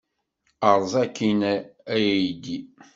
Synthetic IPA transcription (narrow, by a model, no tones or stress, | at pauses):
əɾˤzˤækːinæjd̪i